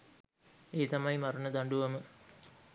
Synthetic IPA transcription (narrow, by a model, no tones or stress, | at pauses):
eːt̪ɐmɐjimɐɾunɐd̪ɐɳɖuʋɐmɨ